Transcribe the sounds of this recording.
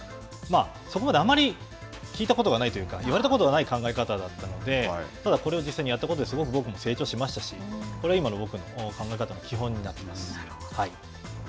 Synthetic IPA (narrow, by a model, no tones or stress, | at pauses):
maː | so̞ko̞mad̪e̞amaɾʲi | kʲiːt̪ako̞t̪o̞ɡanait̪o̞jɯ̟ːkaiβaɾe̞t̪akot̪oanaikãŋɡae̞kat̪ad̪at̪ːano̞d̪e̞t̪ad̪ako̞ɾe̞o̞d͡ʑisaiɲijat̪ːakood̪sɨɡo̞k̬ɯ̟bo̞kɯ̟mo̞se̞ːt͡ɕo̞ːɕimaɕi̥t̪aɕikoɾeaimanookɯ̟no̞kãŋɡaekat̪anokʲiɦõ̞ɲ̟ːinat̪ːe̞masɨ̥ | hai